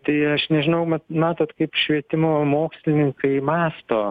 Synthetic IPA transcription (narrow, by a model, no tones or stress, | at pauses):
t̪ɐɪɐʃnʲɛʒʲɪnɐʊmɐt̪mʲæːt̪oːt̪kɐɪpʃʲʋʲiɛt̪ʲɪmoːmoːksʲlʲɪnʲɪŋkɐɪmɑːst̪oː